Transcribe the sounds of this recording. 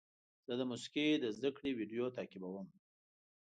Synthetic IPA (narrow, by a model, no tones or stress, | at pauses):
z̥əd̪əmusi̥ked̪əzd̪akɽiwiɖjot̪ɑkɪbawəm